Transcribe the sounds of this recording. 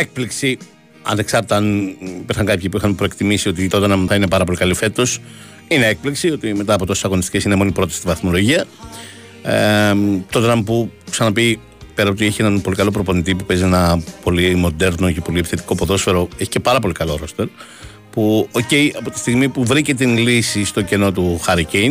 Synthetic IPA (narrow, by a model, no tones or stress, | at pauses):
ek̚pliksi | ɐ̰ne̞ksɐɾt̪ɐnpeɾxɐŋkɐpçipuixɐnpɾo̞ekt̪imisio̞t̪it̪ot̪ɐnɐmθɐine̞pɐɾɐp̬o̞likɐlife̞t̪o̞s | ine̞ek̚pliksio̞t̪ime̞t̪ɐːpo̞t̪ose̥sɐɣo̞nist̪i̥ce̞sine̞mo̞nipɾo̞t̪ɐsi̥t̪ivɐθmo̞lo̞ʝiɐ | t̪o̞t̪ɐnɐmpuksɐnɐpi | peɾɐot̪ieçie̞nɐnpo̞likɐlo̞pɾo̞po̞nit̪ipupe̞zie̞nɐpo̞limo̞d̪e̞ɾno̞ce̞po̞liei̥θet̪i̥ko̞poðo̞sfe̞ɾo̞eçi̥ce̞pɐɾɐp̬o̞likɐlo̞ɾo̞st̪e̞ɾ | puoce̞jɐpo̞t̪i̥st̪iɣmipuvɾice̞t̪̬inlisist̪o̞ce̞no̞t̪̬uxɐɾicejn